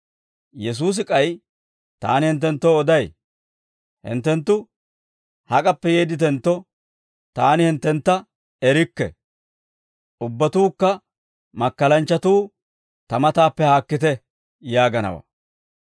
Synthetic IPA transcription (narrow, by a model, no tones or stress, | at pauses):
jɛs̬uːs̬ɪkʼɐj | t̪a̰ːnɪhɪnt̪̬ːɛnt̪ːoɔd̪ɐj | hɪ̰nt̪ːɛnt̪ːʊ | hɐkʼɐpːɛjeːd̪ɪt̪ɛnt̪ːɔ | t̪aːnɪhɪnt̪ːɛnt̪ːɐ | ɛɾɪkːɛ̰ | ʔʊbːɐt̪uːkːɐ | mɐkːɐlɐnt͡ʃːɐt̪uː | t̪ɐmɐt̪aːpːɛhaːkːɪt̪ɛ | jaːɡɐnɐ̰wɐ̰